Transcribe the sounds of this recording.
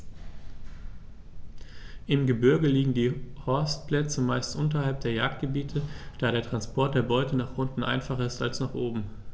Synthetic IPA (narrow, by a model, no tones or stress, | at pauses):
ʔɪmɡəbʏɐɡəliːɡŋ̩diːhɔɐstplɛt͡səmaɪstʔʊntɐhalp̚d̥eːɐjaːk̚t̚ɡ̥əbiːtʰəd̥aːɾeːɐtʁ̥anspʰɔɐt̚d̥eːɐbɔʏtənaːχʔʊntn̩ʔa̰ɪnfaχɐɪsta̰lsnaχʔoːbm̩